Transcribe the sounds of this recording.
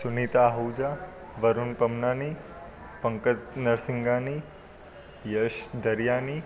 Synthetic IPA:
suniːt̪aːɦud͡ʒa | ʋɐɾunpɐmnaːni | pɐŋkət̪nɐɾsiŋɡaːni | jəʃd̪ɐɾijaːni

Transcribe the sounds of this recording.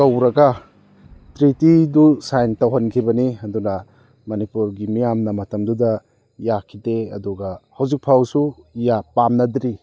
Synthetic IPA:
ɐwɾɐɡɐ | tɾitidusajntɐɦonkʰibɐniɐdunɐ | mɐnipuɾɡimijamnɐmɐtɐmdudɐ | jakʰideɐ̰duɡɐhɐwzik̚pʰawsujapamnɐdɾi

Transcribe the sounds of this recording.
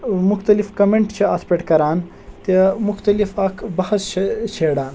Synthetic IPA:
muxt̪ɐlifkɐmeɳʈt͡ʃʰiaspeʈkɐɾaːn | t̪emuxt̪ɐlifɐkʰbɐhɐsʰeɕʰeːɽaːn

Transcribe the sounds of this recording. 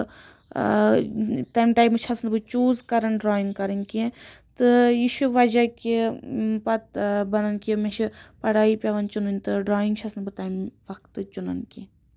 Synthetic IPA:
t̪amʈaːjmɨt͡ʃʰɐsɨnbɨt͡ʃuːzkɐɾɐɳɖɾɔːiŋɡkɐɾɐnki | t̪ɨjiʃʰuʋɐd͡ʒakipɐt̪bɐnɐnkimeʃʰipɐɽaːipʲeʋɐnt͡ʃunɐnʲt̪ɨɖɾɔːiŋɡt͡ʃʰɐsnbɨt̪aːjmʋɐk̚ʰt̪ɨt͡ʃunɐ̰nki

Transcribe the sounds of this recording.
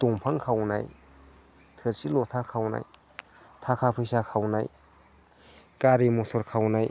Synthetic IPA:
t̪oŋpʰaŋkʰawna̰j | t̪ʰɯɾsilot̪ʰakʰawna̰j | t̪ʰakʰapʰɯjsakʰawnaj | kaɾimotʰoɾkʰawnaj

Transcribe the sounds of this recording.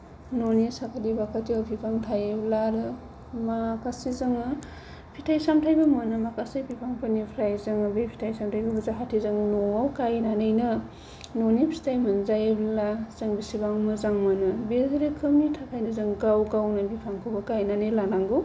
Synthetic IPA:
nonisakʰadibakʰatːiawpʰipʰaŋtʰajeblaɾɯ | makasizɯŋɯ | pʰitʰajsamtʰajbɐmɯnɯmakasajpʰipʰaŋpʰɯnipʰɾajzɯŋɯbepʰi̥tʰajsamtʰajbɯbuzaɦatʰizaŋnoawkajnanɯjnɯ | nonipʰi̥tajmɯnzajeblaz̥aŋbisibaŋmɯzaŋmɯnɯbeɦiɾekʰɯmnitʰakʰajnɯzɯŋkawkawnabipʰaŋkʰɯbɐkajnanɯjlanaŋɡu

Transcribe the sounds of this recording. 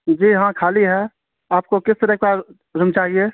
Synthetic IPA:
d͡ʒiːɦãkʰaːliɦɛː | aːp̚kokɪst̪əɾɛka | ɾʊmt͡ʃaːɦieː

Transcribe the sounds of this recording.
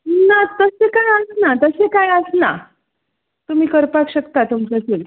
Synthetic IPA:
nat̪əsekajəsnat̪əsekajəsna | t̪um̤iːkəɾpakɕəkt̪at̪umt͡sat͡sul

